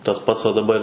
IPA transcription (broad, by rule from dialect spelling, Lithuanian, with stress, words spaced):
tɐs ˈpɐts oː dɐˈbɐrʲ